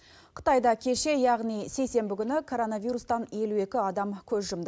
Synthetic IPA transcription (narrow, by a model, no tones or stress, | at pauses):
qʰə̥t̪ɑjd̪ɑkʲʰe̞ʃe̞jɑʁnijsejse̞mbɪkʲʏnɪkʰo̞ɾo̞nɑvijɾust̪ɑnje̞lue̞kʲɪɑd̪ɑmkʲʰɵzʒʊmd̪ə